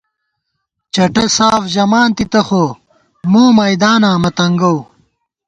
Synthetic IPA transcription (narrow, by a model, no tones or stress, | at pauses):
t͡ɕɐʈɐsaːfʑɐmaːnt̪it̪ɐxoː | muːmɐjd̪aːnaːmɐt̪ɐŋɡɐw